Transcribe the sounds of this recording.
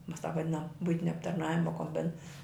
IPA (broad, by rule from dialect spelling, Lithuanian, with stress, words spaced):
ˈmɐs tɑːp ʋɐˈdʲɪnɐm ˈbʊɪtʲɪnʲɛ ɐptɐrˈnɑːʋʲɪmɐ koːmʲˈbʲɪn